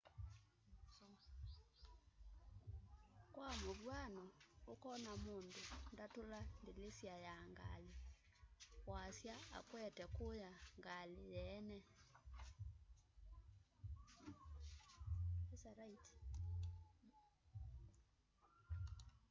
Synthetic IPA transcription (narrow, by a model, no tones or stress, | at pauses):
kwamuɓwanɔʊkɔnamuntʼundatulandilesiajaŋɡa̰li | wasjaa̰kwɛtʼɛkʊjaŋɡalɪjɛːnɛ | ɛsarait